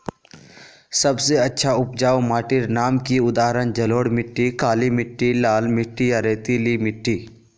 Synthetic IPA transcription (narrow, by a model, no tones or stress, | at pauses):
sɐbseɐtːʃʰaʊp̚d͡ʒaːomaːʈɪɾnaːmkiʊd̪aːɦɾənd͡ʒɐloːɽmɪʈːikaːlimɪʈːilaːlmɪʈːijaɾeːt̪ilimɪʈːiː